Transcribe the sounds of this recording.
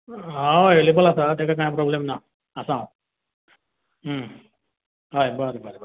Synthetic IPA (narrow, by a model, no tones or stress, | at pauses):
ɦaelibəlasat̪ekak̬ãjapɾɔblemna | əsã | ɦ | ɦajbəɾebəɾebəɾ